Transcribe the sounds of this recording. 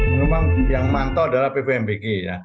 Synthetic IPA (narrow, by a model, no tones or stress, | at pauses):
memaŋjaŋmant̪ɔadalahpepeɛmpikija